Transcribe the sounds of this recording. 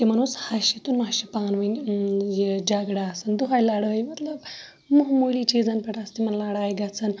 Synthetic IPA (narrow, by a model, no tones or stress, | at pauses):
t̪em̤əñushaɕit̪uːnmaɕipanʋənjd͡ʑaɡɽaːsənd̪uɦajlaɽjmət̪ləb | muɦmolit͡ɕed͡zanpeʈast̪imənlaɽajɡat͡sən